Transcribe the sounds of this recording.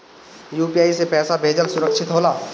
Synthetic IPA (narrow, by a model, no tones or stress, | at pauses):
juːpijaːisepɛːsabʱeːd͡ʒəlsʊɾəkʃɪt̪ɦoːlaː